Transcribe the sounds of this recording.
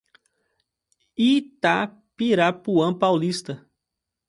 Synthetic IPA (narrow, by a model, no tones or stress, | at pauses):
it̪a | piɾapuɐ̃pawlist̪ɐ